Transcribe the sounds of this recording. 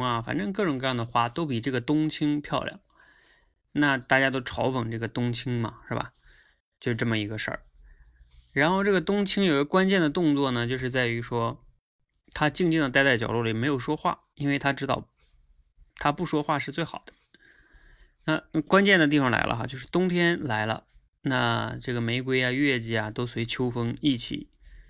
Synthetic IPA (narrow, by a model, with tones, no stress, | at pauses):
ɐ˧fa̰˨˩nʈ͡ʂɤ˥˧ŋk̬ɤ˥˩ʈ͡ʂŋkɤ˥˧jɑ˥˩ŋd̪ə˨xwa˥˩t̪o˥ʊpi˨˩ʈ͡ʂɤ˥˩ɡə˩t̪ʊ˥ŋt͡ɕʰi˥ŋpʰjɑ˥˧ʊljɑ̰˨˩ŋl | na˥˧t̪a˥˩t͡ɕja˥t̪̬o˥ʊʈ͡ʂʰɑ˧˥ʊfə˨˩ŋʈ͡ʂɤ˥˩ɡə˩t̪ʊ˥ŋt͡ɕʰi˥ŋmɐ̰˨ʂɻ̩˥˩bɐ̰˩ | t͡ɕjo˥˧ʊʂɻ̩˥˧ʈ͡ʂɤ˥˩mə˩i˧˥ɡə˧ʂə̰˞˥˩ | ɻa˧˥nxo˥˧ʊʈ͡ʂɤ˥˩ɡə˩t̪ʊ˥ŋt͡ɕʰi˥ŋjo˨˩ɡə˧˥kwa˥nt͡ɕjɛ˥˩nd̪ə˩t̪ʊ˥˧ŋt͡swɔ˥˩nə˩t͡ɕjo˥˧ʊʂ̬ɻ̩˥˧t͡sa˥˩ɪy˧˥ʂwɔ˥ | t̪ʰa˥t͡ɕi˥˧ŋt͡ɕi˥˩ŋd̪ə˩˥˧t͡sa˥˩t͡ɕjɑ˨˩ʊlwɔ˥˩li˨˩me˧˥ɪjo˨˩ʊʂwɔ˥xwa̰˥˩ | i˥nwe˥˩ɪt̪ʰa˥ʈ͡ʂɻ̩˥t̪ɑ̰˥˧ʊ | t̪ʰa˥pu˥˩ʂwɔ˥xwa˥˧ʂɻ̩˥˧t͡swe˥˩ɪxɑ˨˩ʊd̪̥ə̥˦ | na˥˧kwa˥nt͡ɕjɛ˥˩nd̪ə˩t̪i˥˩fɑ˨˩ŋla̰˧˥ɪlə̰˧xa̰˧t͡ɕjo˥˧ʊʂɻ̩˥˩t̪ʊ˥ŋt̪ʰjɛ˥nla˧˥ɪlə̰˧ | na̰˥˧ʈ͡ʂɤ˥˩ɡə˩me˧˥ɪkwe˥ɪja˧ɥɛ˥˩t͡ɕi˧˥ja˨t̪o˥ʊswe˧˥ɪt͡ɕʰjo˥ʊfɤ˥ŋi˥˩t͡ɕʰḭ˨˩˦